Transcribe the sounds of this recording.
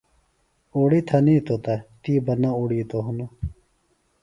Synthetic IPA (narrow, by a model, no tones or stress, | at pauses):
oːɽit̪ʰɐniːt̪ot̪at̪iːbɐnːãuːɽit̪oɦunu